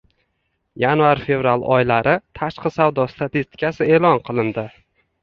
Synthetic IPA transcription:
janvaɾfe̞vɾalˠɒ̰jlaɾɪt̪ʰaʃqʰɨsawd̪ɒst̪ʰat̪ist̪ʰɪ̥kʲʰasɪe̞ːlɒnqʰɨlˠɪnd̪ɪ

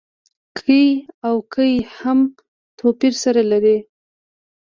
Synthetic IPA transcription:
kʰəjawkʰəjham | t̪ʰopiɾsaɾalaɾe

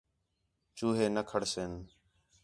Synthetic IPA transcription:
t͡ʃuːɦeːnəkʰəɽseːn

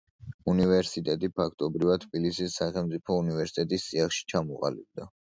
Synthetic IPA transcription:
univɛɾsit̪ʼɛt̪ʼipʰakʰt̪ʼɔbɾivat̪t̪ʰbilisisːaχɛlˠmt̪sʼipʰɔunivɛɾsi̥t̪ʼɛt̪ʼistːʼiaχʃi̥t͡ʃʰamɔqʼa̰lḭb̚d̪a

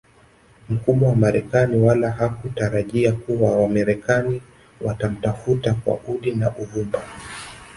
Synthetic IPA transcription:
m̩kumɔwamaɾɛkaniwalaɦakutaɾaʄiakuwawamaɾɛkani | watam̩tafutakwa̰ʔuɗinaʔuvumba

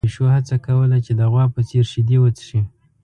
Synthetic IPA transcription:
ʃohat͡sakawəlat͡ʃed̪əɣwɑpət͡seɾʃɪd̪ewət͡sʃi

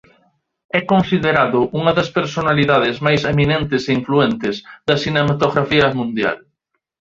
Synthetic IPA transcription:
ɛkõnsiðeɾaðʊʔuŋaðɐspeɾsonaliðað̞ezmajseminẽnt̪eseiɱfluent̪ezðɐsinemat̪oɣɾafiɐmũnd̪ja̰l

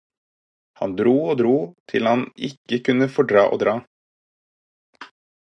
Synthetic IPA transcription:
hɑ̰nd̪ɾuːoːd̪ɾuːt̪ʰɪlhɑnɪkəkʉnəfɔɖɾɑ̰ːʔo̰ːd̪ɾɑː

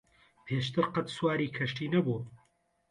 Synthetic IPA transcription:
pʰeʃt̪ʰɨɾqɐt̪swaːɾiːkʰɐʃtiːnɐbuː

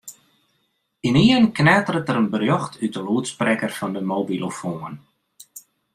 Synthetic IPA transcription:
iniənknaːtəɾətəɾənbərjɔxtʰydəluətsprɛkərfɔndəmoːbilofoən

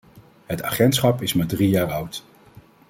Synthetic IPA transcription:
ɦəta̰ːχɛntsχɑpɪsmaːdrijaːɹʌwt

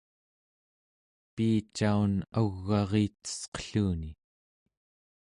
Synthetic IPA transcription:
piːt͡ʃaunaɣːɑʁiːt̪ə̥sqə̥ɬuːni

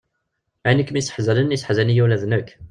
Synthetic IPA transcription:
ænəkːmjsə̥ħzælənisħzænijæwlæðnək

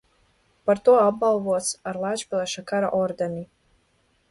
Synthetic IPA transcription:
paɾt̪uɔabbalˠvuɔt̪saɾlˠaːt͡ʃpʲilˠɛʃakaɾa̰ʔɔɾd̪eni

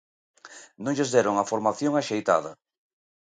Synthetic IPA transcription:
nõŋʎezðɛɾoŋafoɾmaθjoŋaʃejt̪a̰ðɐ

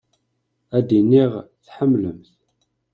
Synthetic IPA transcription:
æd̪inːiʁθħəmːləmθ

